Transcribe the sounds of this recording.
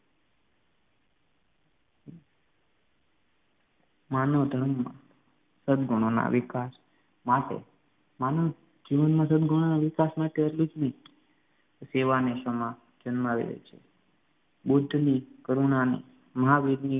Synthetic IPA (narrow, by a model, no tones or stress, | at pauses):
manod̪ʱəɽəmːã̰ | səd̪ɡʱuɽ̃ona̰ʋikas | maʈḛ | mano | d͡ʒiʋənmãsəd̪ɡʱuɽ̃onaʋɪkasmaʈeəɾlud͡ʒmi | seʋaneʃəmã | d͡ʒənmaʋḭɾḛt͡ʃʰe | bud̪ʱːnikəɾuɳanḭ | məɦaʋid̪ni